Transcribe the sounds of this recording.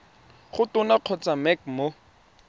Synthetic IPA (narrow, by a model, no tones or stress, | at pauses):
χʊtʊnaq͡χʰɔt͡samɛkmo